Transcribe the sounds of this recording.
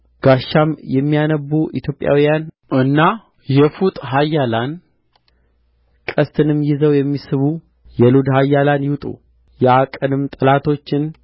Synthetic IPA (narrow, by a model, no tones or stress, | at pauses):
ɡ̥aʃːamjɛmːijanəbːuʔḭt̪ʰjo̞pʼja̰wijan | ʔɨnːa | jɛfut̪ʼɦajːalan | kʼəst̪ʰɨnɨmːjɪzəwjɛmːisɨβu | jɛlud̪hajːalanjɪwt̪ʼṵ | jɛakʼɨnɨmt̪ʼɨlat̪ʰo̞t͡ʃːɪn